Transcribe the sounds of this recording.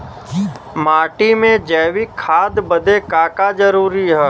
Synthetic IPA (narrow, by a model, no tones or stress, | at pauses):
maːʈimẽd͡ʒɛːwikʰːaːd̪bəd̪ekaːkad͡ʒəɾuːɾiɦɛː